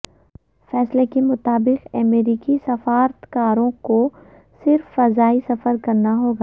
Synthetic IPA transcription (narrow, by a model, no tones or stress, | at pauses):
fɛːslekemʊt̪aːbɪqɛmeːɾiːkisɐfaːɾt̪kaːɾõko | sɪɾfːɐzaːisɐfəɾkɐɾnaɦoːɡaː